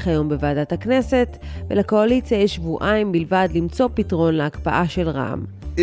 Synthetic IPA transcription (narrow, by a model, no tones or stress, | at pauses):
χajo̞mbevaaːdathakne̞se̞tvelako̞alit͡sjajeʃvuʔaimbilvadlimt͡so̞pitʁo̞nleakpaʔaʃelʁa̰m